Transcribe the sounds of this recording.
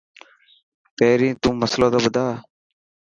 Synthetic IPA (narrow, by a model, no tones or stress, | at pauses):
peːɾĩːt̪ũːməslõːd̪oːbəd̪aː